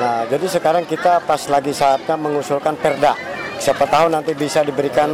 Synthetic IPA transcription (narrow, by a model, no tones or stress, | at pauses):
nad͡ʒadisəkaɾaŋkit̪apaslaɡisaːt̪̚ɲaməŋusulkanpərdasiapat̪aɦʊnːant̪ibisadibəɾikan